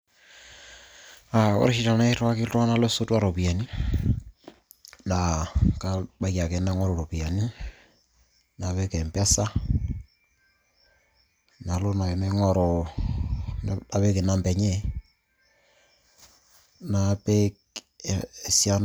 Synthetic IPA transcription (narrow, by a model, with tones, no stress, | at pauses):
a˨kɔ̰ɾʃi˨ta˨na˦ɾwa˦ki˦twa˦na˦lo˦so˦twa˦ɾo˨pi˨a˨ni˦ | na˨ka˦ba˨˦ka˨ke˨na˦ŋɔ˦ɾo˨ɾo˨pi˨a˨ni˦ | na˨βe˦kɛ˨mpa˦sa˦ | na˨lo˦na˨e˨nɛ˦ŋɔ˨ɾo˨ | a˨βe˦ke˨na˦mbɛ˨ɲe˦˨ | na˨pe˦k | e˨sja˦n